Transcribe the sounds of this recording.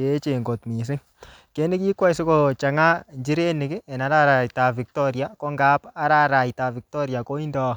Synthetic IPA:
e˦t͡ʃe˨ŋɡo˨tmi˨s̬ɪ˦ŋ | ke˦nɪ˦ki˦kwa˦i˨sɪ˦ko˨t͡ʃa˨ŋa˦ɲd͡ʒi˦ɾe˦nɪ˨kɪ˦ɛ˨na˨˦ɾa˦ɾa˨jta˨fi˨k̚tɔ˦ɾja˨ko˦ŋɡa˦pa˦ɾa˦ɾa˨jta˨vi˨k̚tɔ˦ɾja˨ko˦i˦ndɔː˦

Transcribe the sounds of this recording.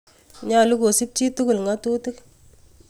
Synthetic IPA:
ɲa˦˨lu˦ko˨si˦p̚t͡ʃi˦tu˦kʊ˨lŋa˦tu˦tɪ˦k

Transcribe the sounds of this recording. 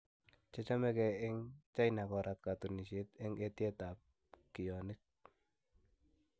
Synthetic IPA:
t͡ʃe˦t͡ʃa˦mɛ˦kɛ˨ɪ˦ŋt͡ʃa˦jna˨kɔ˨ɾʔa˨t̚ka˨tu˨ni˨ʃi˦tɪ˦ŋe˦tje˦ta˨p̚ | ki˨jɔ˨nɪ˦k̚

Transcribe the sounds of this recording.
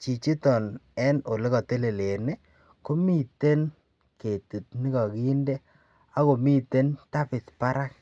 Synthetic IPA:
t͡ʃi˨t͡ʃi˦tɔ˨nɛ˦no˨le˦kɔ˨te˦le˨le˨ne˦ | ko˦mi˦te˦n | ke˨ti˨t̚ni˦kɔ˨ki˦nde˦ | a˦ko˨mi˦te˦nta˦pɪ˨tpa˦ɾa˦k̚

